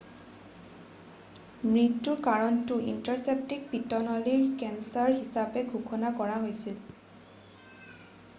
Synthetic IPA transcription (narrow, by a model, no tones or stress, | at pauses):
mɹitːuɹkaɹɔntʊʔḭntaɹsep̚tik̚pitɔnɔliɹkɛnsaɹɦisapɛɡʱukʰɔnakɔɹaɦojsil